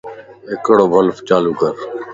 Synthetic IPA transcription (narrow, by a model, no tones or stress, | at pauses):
ɪkəɽoːbʱəlft͡ʃaːluːkəɾ